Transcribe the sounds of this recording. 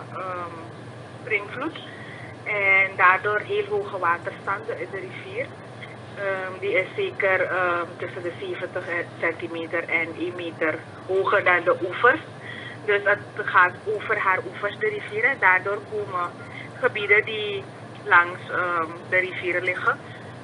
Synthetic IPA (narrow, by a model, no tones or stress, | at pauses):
əm | sprɪŋflut | ɛndaːrdoːrɦeːlɦoːχəʋaːtərstɑndəɪndəriviːr | əmdiɪseːkərəmtɵsəndəseːvəntəsɛntimeːtərɛnʔeːnmeːtər | ɦoːχərdɑndəʔufərs | døsətχaːtoːvərɦaːrufərsdəriviːɾədaːrdoːrkoːmə | χəbidədi | lɑŋsəmdəɾiviːrlɪχə